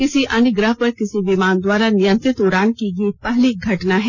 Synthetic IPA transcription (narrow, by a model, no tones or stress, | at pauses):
kɪsiʔɐnɪɡɾəɦpɐɾkɪsiʋɪmaːnd̪waːɾanɪjə̃nt̪ɾɪt̪ʊɾaːnkiɡiipɐɦliɡʱɐʈnaɦɛː